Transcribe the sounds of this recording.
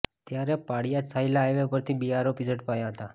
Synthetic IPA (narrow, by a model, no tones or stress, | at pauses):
t̪jaɾepaɽijasʰailaːjʋepəɾt̪ʰibiaɾopɪzəʈpajaɦət̪a